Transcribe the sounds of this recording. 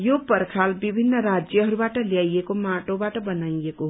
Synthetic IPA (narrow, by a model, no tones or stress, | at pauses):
jopəɾkʰaːlbibʱinːəɾad͡ʒjəɦəɾubaʈəljaːijekomaʈõbaʈəbənaːieko